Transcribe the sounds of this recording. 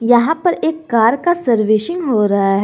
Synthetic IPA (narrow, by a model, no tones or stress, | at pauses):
jɐɦãpɐɾeːkːaːɾkasɐɾʋɪʃɪ̃ŋɡɦoːɾɐɦaɦɛ